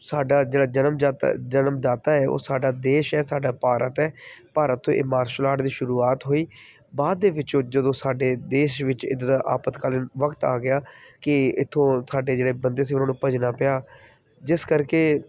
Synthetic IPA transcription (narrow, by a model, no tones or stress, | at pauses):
saːɖaːd͡ʒeːɽaːd͡ʒənəmːt̪ːd͡ʒənəmd̪aːt̪aːɛːʔo̰ːsaːɖaːd̪eːʃɛːsaːɖaːpaːɾʔət̪ɛːpaːɾət̪ʰːõ̰ːʔɪ̰maːɾʃəlaːʈd̪iːʃʊɾuːaːt̪ɦoːiː | baːd̪ːeːʋɪt͡ʃõːd͡ʒəd̪õːsaːɖeːd̪eːʃʋɪt͡ʃɪ̰d̪d̪aʔa̰ːpət̪kaːlənʋəkt̪a̰ːɡɪjaːkɪɪt̪ʰːõːsaːɖeːd͡ʒeːɽeːbənd̪eːs̬ĩːʊnãːnũːpəd͡ʒnaːpəjaː | d͡ʒɪskəɾkeː